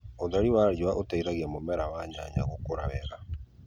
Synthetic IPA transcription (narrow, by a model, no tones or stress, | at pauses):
oðaɾiwaɾjwaʔotaiɾaɣɛmomɛɾawaɲa̰ɲa̰ɣokoɾaβɛ̰ɾa